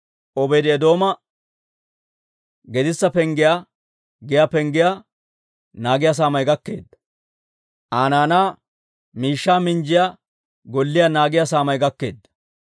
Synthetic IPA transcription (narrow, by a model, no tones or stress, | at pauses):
ɔbɛjd̪ɪɛd̪o̞ːmɐ | ɡɛd̪ɪsːɐpɛŋɡɪjaː | ɡɪjaːpɛŋɡɪjaː | naːɡɪjas̬aːmɐjɡɐkːe̞ːd̪ːɐ | ʔaːnaːnaː | miːʃːaːmɪnd͡ʒɪjaː | ɡɔlːɪjaːnaːɡɪjasaːmɐjɡɐkːe̞̰ːd̪ːɐ̥